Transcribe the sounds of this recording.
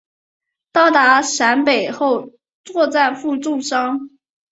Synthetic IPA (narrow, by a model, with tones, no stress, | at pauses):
t̪ɑ˥˩ʊt̪a˧˥ʂa˧˥npe˨˩ɪxo˥˩˧ʊ | t͡swɔ˥˧t͡sa˥˧ɪfu˥˧ʈ͡ʂʊ˥˩ŋʂɑ˥ŋ